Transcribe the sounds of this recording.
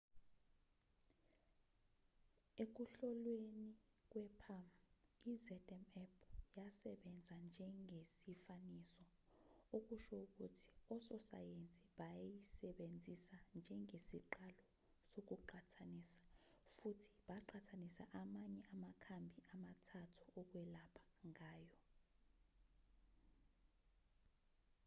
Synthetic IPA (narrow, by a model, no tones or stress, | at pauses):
ek̬uɬɔlwenik̬ʼwɛpʰamizɛdʼɛmɛpʰjasɛɓɛnd͡zʱand͡ʒʱɛŋɡʱesifaniːsɔ | uk̬uʃɔuk̬ṵtʰi̥ɔsɔsa̰jent͡sʼiɓajjisɛɓend͡zʱisand͡ʒʱɛŋʱesiǃalɔ | sok̬uǃatʰanisḁfutʰi̥ɓaǃʰatʰanisaʔamaɲɛʔamakʰambʱiʔamatʰatʰu̥ɔk̬wɛlapʰḁŋʱaːjɔ